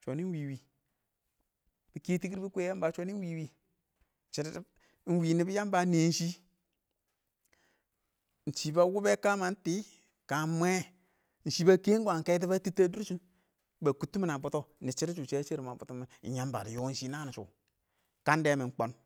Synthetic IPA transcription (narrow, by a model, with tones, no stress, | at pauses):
t͡ʃʷo˨ni˦nwi˨wi˨ | b̥i˨ke˦ti˦ki˦ɾi˦bi˦kʷe˦a˦mba˨t͡ʃo˦ni˦wi˨wi˦ | t͡ʃi˦ɾ | n̩˦wi˨ni˦bi˦ja˦m˦ba˨˦ne˨˦n̩˦ʃi˦ | n̩˨t͡ʃi˨ba˦wu˦be˦ka˦ma˨n̩˦ti˦ | ka˨mʷ˦ɛ˦ | n̩˨ʃi˦ba˦ke˦ŋ˦ɡa˨ŋ˨ke˦t̬i˦ba˦ti˦tːa˦du˦ɾsu˦n | ba˨ku˦tːu˦mi˦na˨bu˦to˦˨ni˨t͡ʃi˦ɾt͡ʃu˨t͡ʃe˦t͡ʃi˦ɾma˨bu˨tu˦mḭ˨˦ja˦mba̰˨ɾḭ˨jo˦n̩˦ʃi˦na˦˨n˨t͡ʃṵ˨ | ka˦nde˦mi˨ŋ˦k͡po˦n